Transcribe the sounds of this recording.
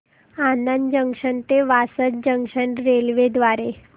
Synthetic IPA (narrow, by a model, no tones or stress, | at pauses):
anənd͡ʑəŋkʂəɳt̪eʋasət̪̚d͡ʑəŋɡʂəɳɾelʋed̪ʋaɾe